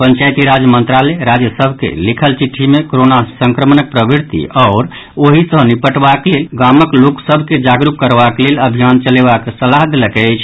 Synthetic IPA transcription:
pənt͡ʃajt̪iɾad͡ʒjəmənt̪ɾaleɾad͡ʒjəsəbʱkḛlikʰəlt͡ʃiʈʰːimekoɾonasəŋkɾəmnək̚pɾəbiɾt̪ḭɔːɾ | oɦisə̃ɦnipəʈbaklelɡaməkloksəbʱked͡ʒaɡɾukːəɾbakleləbʱijant͡ʃəlebakesəlaɦd̪eləkɛjt͡ʃʰ

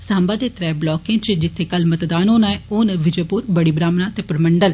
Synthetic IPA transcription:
saːmbaːd̪eːt̪ɾɛːblɔːkẽːt͡ʃd͡ʒɪt̪ʰːeːkəlmət̪d̪aːnɦoːnaːɛoːnʋɪd͡ʒoːpuːɾbəɽiːbɾaːmnaːt̪eːpəɾməɳɖəl

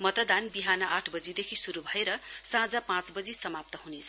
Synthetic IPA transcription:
mʌt̪ʌd̪anbiɦanʌʔaʈʰbʌd͡zid̪ekʰisuɾubʱʌeɾʌ | sãd͡zapãt͡sbʌd͡zisʌmap̚t̪ʌɦunet͡sʰʌ

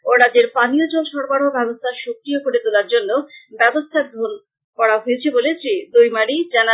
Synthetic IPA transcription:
oɾad͡ʑeɾpaniod͡ʑonʃɔɾbaɽɦobɛbost̪ʰaʃokɾijokoɾet̪olaɾd͡ʑonːobɛbost̪ʰad̪ʱon | kɔɽaɦojet͡ɕʰebolesed̪ojmaɽid͡ʑana

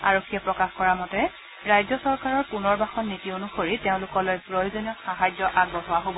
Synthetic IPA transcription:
aɹokʰːiɛpɹɔkaxkɔɹamɔtɛ | ɹajzɔsɔɹkaɹɔɹpunɔɹbaxɔnːitionuxoɹiteʊ̃lʊkɔlojpɹojozoniɔxaɦazɔʔaɡ̚bɔɦɔwaɦobɔ

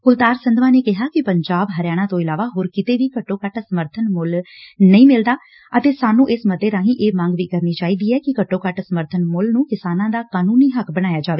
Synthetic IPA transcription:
kʊlt̪aːɾsənd̪ʋãːneːkɪɦaːkɪpəɲd͡ʒaːbɦəɾjaːɽ̃ãːt̪õːɪlaːʋaːɦoːɾkɪt̪eːʋiːkəʈːoːkəʈsəməɾt̪ʰənmʊlnəĩːmɪld̪aː | ət̪eːsaːnũːʔɪsməd̪eːɾãːɦĩːʔeːmãːŋɡʋiːkəɾniːt͡ʃaːiːd̪iːɛːkɪkəʈːõːkəʈsəməɾt̪ʰənmʊlnũːkɪsaːnãːd̪aːkaːnuːniːɦəkbəɽ̃aːjaːd͡ʒaːʋeː

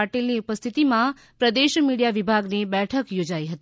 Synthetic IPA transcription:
aʈilniupəst̪ʰit̪imã | pɾəd̪eʃmiɽijaʋibʱaɡnebɛʈʰəkjod͡ʒaiɦət̪i

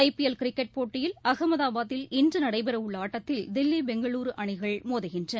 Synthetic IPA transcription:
ɐɪpɪɛlkɪɾɪkːɛʈ̚poːʈːɪjɪlɐɣɐmɐðaːbaːðɪlɪndrɯnɐɽɐɪbɐɾɐɯɭːɐaːʈːɐt̪ːɪld̪ɪlːibɛŋɡɐɭuːɾɯʔɐɳɪɣɐɭmoːðɐɣɪndrɐn

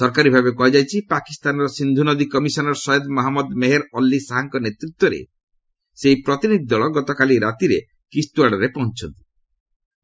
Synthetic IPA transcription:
sɔɾkaɾibʱabekɔɦid͡ʒajt͡ʃʰipakist̪anɔɾɔsind̪ʱunɔd̪ikɔmisɔnɔɾsɔjɔd̪mɔɦamɔd̪meɦeɾɔlːisaɦaŋkɔnet̪ɾit̪wɔɾḛ | seipɾɔt̪inid̪ʱid̪ɔɭɔɡɔt̪ɔkaliɾat̪iɾe | kist̪uaɽɔɾepɔɦunt͡ʃʰɔnt̪i̥

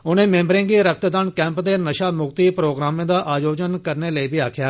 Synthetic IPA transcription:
ʊnẽːmẽːmbɾẽːɡiːɾək̚ʰt̪d̪ankɛ̃ːmpd̪eːnəʃaːmʊɡt̪iːpɾoːɡɾaːmẽːd̪aːʔaːjoːd͡ʒənkəɾneːləiːbiːaːkʰjaː

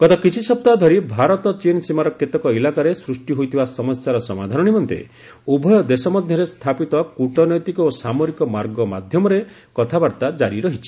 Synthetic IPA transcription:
ɡ̥ɔt̪ɔkit͡ʃʰisɔp̚t̪ad̪ʱɔɾibʱaɾɔt̪ɔt͡ʃinsimaɾɔket̪ɔkɔilakaɾesɾusʈiɦojt̪ʰibasɔmɔsjaɾɔsɔmad̪ʱanɔnimɔnt̪ḛ | ubʱɔjɔd̪esɔmɔd̪ʱjɔɾest̪ʰapit̪ɔkuʈɔnɔjt̪ikɔosamoɾikɔmaɾɡɔma̰d̪ʱjɔmɔɾe | kɔt̪ʰabaɾt̪ad͡ʒaɾiɾɔɦit͡ʃʰi̥

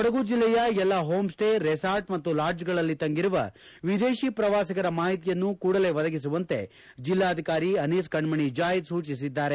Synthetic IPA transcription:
ɔɽɐɡud͡ʒilːɛjɐɛlːɐɦoːmsʈeɾesaːɾʈmɐt̪ːulaːɾd͡ʒɡɐɭɐlːit̪ɐŋɡiɾuʋɐ̰ | ʋid̪e̞ːʃiːpɾɐʋaːsikɐɾɐmaːɦit̪ijɐnːukuːɽɐle̞ːʋɐd̪ɐɡis̬uʋɐnt̪e̞̰ | d͡ʒilːaːɐd̪ʱikaːɾiɐniːskɐɳmɐɳid͡ʒaːjid̪suːt͡ʃisid̪ːaːɾe

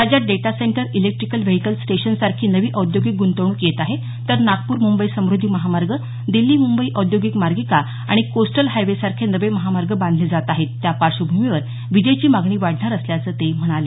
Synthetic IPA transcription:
ɾad͡ʑjat̪̚ɖeʈaseɳʈəɾilek̚ʈɾikəlʋeɦikəlsʈeɕənsaɾkʰiːnəʋiːʔɔd̪joɡik̚ɡunt̪əɳuːkjet̪aɦe | t̪əɾnaɡpuːɾmumbəisəmɾud̪ʱiməɦamaɾɡə | d̪ilːiːmumbəiːʔɔd̪joɡikmaɾɡika | a̰ɽ̃ikosʈəlɦajʋesaɾkʰenəʋeməɦamaɾɡəbãnd̪ʱled͡zat̪aɦet̪ːjapaɾʂəbʱumiʋəɾ | ʋid͡ʑəjt͡ɕiːmaɡɳiːʋaɽʱnaɾəsljat͡səːt̪em̤əɽ̃ale

